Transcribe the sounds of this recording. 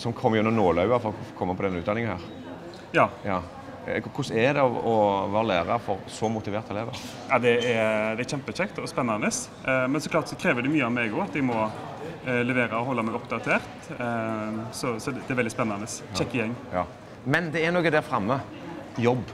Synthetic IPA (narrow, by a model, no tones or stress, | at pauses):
sɔmkʰɔmːjʊʉnːənoːlɑʉɑfɔʁɔkʰɔmːəpʰɔd̪ɛnːʉːt̪d̪ɑnɪŋənhæ̰ːʁ | jɑːjɑː | kʰʊsɛd̪ɛɔɔʋɑːʁəlæːʁɑɾfɔʁsɔmʊt̪ɪʋeːɾt̪ɛleːʋə | jɑd̪ɛɛɾd̪ɛæɾçɛmpət͡ʃɛkt̪ɔspɛnːɑnəs | mɛnsɔklɑːɾt̪sɔkʰɾeːʋəɾd̪ɛmyːəɑmeɡʊɑt̪ɛɡmɔ | lɛʋeːɾəɔhɔlːəmɛɪɔpd̪ɑt̪ʰeːɾt̪ | sɔsɔd̪ɛɛɾʋɛld̪ɪspɛnːɑnəst͡ʃʰɛkːəjɛŋːjɑː | mɛnd̪ɛænoːɡəd̪æːɾfɾɑmːə | jɔbː